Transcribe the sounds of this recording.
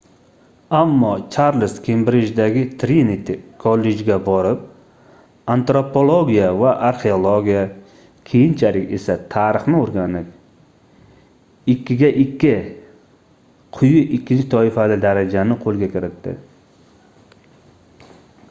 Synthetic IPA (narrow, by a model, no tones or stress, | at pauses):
amːɒt͡ʃʰaɾlɪst̪kʰʲembɾɪd͡ʒd̪aɡʲɪt̪ʰɾinit̪ʰkʰolːe̞d͡ʒɡʲabɒɾɪp̚ | ant̪ɾopʰo̞lˠoɡʲijavaʔaɾχeolˠoɡʲija | kʲʰejɪnt͡ʃʰalɪkʲe̞̰sat̪ʰaɾɨχnɪoɾɡʲanɪp̚ | ɪkʲːɪɡʲaʔɪkʲːɪ | qʰʊjʊʔɪkʲːɪnt̪ʰɒɪfalɪd̪aɾad͡ʒanɪqʰolˠɡʲakʲʰɪɾɪt̪ːɪ̰